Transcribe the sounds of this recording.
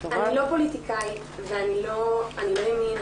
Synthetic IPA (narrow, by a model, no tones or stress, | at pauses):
anilo̞politikai | veaniloaniloemin